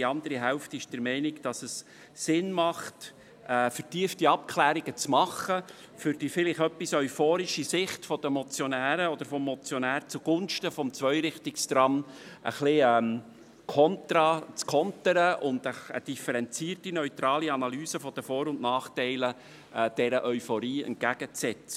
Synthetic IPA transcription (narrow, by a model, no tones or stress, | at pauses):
diɑnd̪əɾiɦɛlftɪʃd̥əɾmɛɪnɪkd̥ɑsəs | sɪnmɑχt | ɛːfəɾtiəftiɑp̚kʰlæːɾiɡət͡smɑχːə | fʏɾd̥ifɪlɪχœpːisœʏfoːɾiʃisɪχtfɔd̥əmɔt͡sjɔnæːɾəɔd̪əɾfɔmːɔt͡sjɔnæːɾt͡suɡ̥ʊnʃtəfɔmt͡svœʏɾɪχtɪkst̪ɾɑmʔə̰χliɛm | kʰɔntɾɑt͡skʰɔntəɾəʔʊnd̪əə̰d̥ifəɾɛnt͡siːərtinœʏt̪ɾɑːliɑnɑlyːsəfɔd̥̪əfoːɾʊndnɑːχtɛɪlə | d̥ɛɾəʔœʏfɔɾiːɛ̰nt̚ɡæɡ̥ət͡sɛt͡sə̥